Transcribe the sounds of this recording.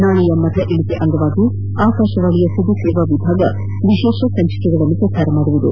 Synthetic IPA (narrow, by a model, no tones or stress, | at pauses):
naːɭijɐmɐd̪lɐʔiɭit̪eʔɐŋɡ̪ɐʋaːɡi | aːkaːʃɐʋaːɭijɐsɐd̪isɛːʋɐʋibʱaːɡɐ | ʋiʃeːʃɐsɐɲt͡ʃɐ̥kɛɡɐɭɐlːupɾɐt͡ʃaːɾɐmaːɽuʋud̪ṵ